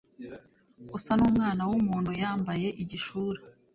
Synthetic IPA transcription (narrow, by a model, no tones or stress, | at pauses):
usanuːmŋaːnawumuːn̥hujaːmbaje̞ʔiɟiʃuːɾe